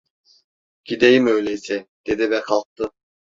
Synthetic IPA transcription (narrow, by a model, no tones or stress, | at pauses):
ɟ̥id̪ejimø̞jlʲeisɛd̪̥e̞d̪ivɛkʰalˠk̚t̪ʰɯ